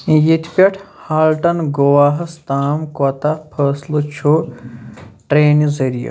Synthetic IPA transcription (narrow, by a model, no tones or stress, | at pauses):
jit̪ʰpʲɐʈʰhaːlʈɐnɡowaːɦɐst̪aːmkɐt̪apʰəslɨt͡ʃʰu | ʈɾeːnizɐɾijɐ̰